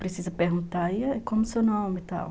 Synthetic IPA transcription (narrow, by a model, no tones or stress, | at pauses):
pɾesizɐpeɾɡũnt̪aiɛkõmʊsewnõmɪt̪a̰w